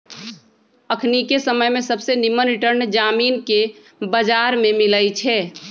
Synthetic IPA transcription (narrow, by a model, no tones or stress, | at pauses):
əkʰnikesəməjmẽsəbsenimənɾɪʈəɾnd͡ʒaːmiːnke | bəd͡ʒaːɾmẽmɪləjt͡ʃʰɛː